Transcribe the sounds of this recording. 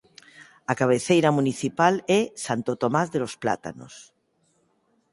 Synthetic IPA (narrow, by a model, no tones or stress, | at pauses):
akaβ̞eθejɾamuniθipalɛsant̪ot̪omazðelospla̰t̪a̰no̰s